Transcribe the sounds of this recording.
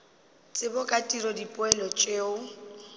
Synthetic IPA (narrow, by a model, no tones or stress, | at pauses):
t͡sʼɪbʊkʼatʼiɾɔdipʼʊɛlɔt͡ʃʼeːʊ